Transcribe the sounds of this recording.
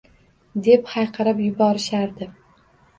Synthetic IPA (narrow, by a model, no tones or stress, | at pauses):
d̪e̞phɑjqʰɑɾapjʊbɒɾɪʃaɾd̪ɪ